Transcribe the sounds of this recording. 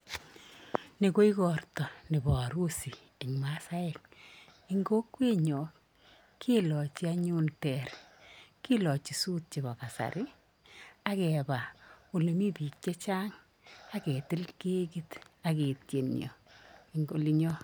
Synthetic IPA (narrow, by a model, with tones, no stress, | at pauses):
ni˨ko˦i˦kɔ˨rtɔ˨nɪ˨bɔ˨ɾu˦si˨ | i˨ŋma˦sa˦ɛ˦k̚ | i˦ŋɡo˦kwe˦ɲɔ˨k | kʰi˦lɔ˨t͡ʃi˦a˦ɲu˦ntɛ˨rki˦lɔ˨t͡ʃi˨suː˦t̚t͡ʃɪ˨ba˨ka˨sa̰˨ɾʔɪ˦ | a˦kɛ˨ba˨o˨le˨mi˦pi˨k̚t͡ʃe˦t͡ʃaː˦ŋ | a˦kɛ˨tɪ˦lke˦ki˦ta˨ke˨tje˨njɔ̰˨i˦ŋɡo˦li˦ɲɔ˦